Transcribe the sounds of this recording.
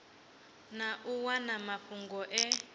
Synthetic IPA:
naʔuwanamaɸuŋɡɔʔɛ

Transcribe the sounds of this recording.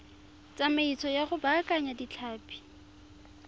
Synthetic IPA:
t͡sʼamait͡sʰɔjaχʊbakʼaɲadit͡ɬʰaːpʼi̥

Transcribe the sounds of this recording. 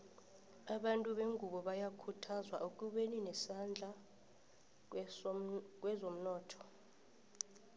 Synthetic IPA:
aɓantʼuɓeŋɡʱuɓɔɓajakʰutʰazwaʔuk̬ʼuɓeninɛsand͡ɮʱa | k̬ʼwɛzom̩nɔːtʰɔ̥

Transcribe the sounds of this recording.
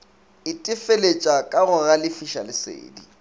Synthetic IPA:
ɪtʼɪfelet͡ʃʼakʼaɣʊɣalɪfiʃa̰lɪsḛːdi

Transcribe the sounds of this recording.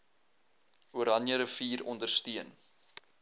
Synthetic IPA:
uəɾɐnjəɾəfiːɾɔ̰ndərstiən

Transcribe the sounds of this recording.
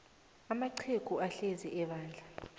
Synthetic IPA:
amaǀʰeɡ̥ʱuaɬeziʔɛɓaːnd͡ɮʱa

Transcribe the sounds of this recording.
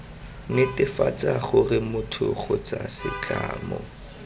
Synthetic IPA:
nɪtʼɪfat͡saχʊrɪmʊtʰʊ̰χʊt͡sasɪt͡ɬʼaːmɔ

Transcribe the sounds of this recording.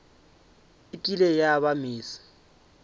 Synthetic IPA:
ɪtʼilejaβamiːsḁ

